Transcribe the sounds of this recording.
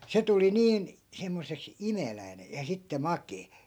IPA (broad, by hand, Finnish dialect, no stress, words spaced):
se tuli niːn semːosˑeks imelæi̯ne jɑ sitːe mɑkeː